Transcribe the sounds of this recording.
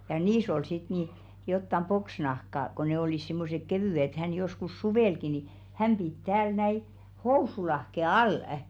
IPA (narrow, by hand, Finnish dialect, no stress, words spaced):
jɑ niːs ol sit ni jotːɑm poksnɑhkɑ ko ne oliˑs simːosek keʋyˑĕ ĕt hæn joskus suʋeˑlki ni hæm pit tæːl næi housulɑhke ɑlˑə̆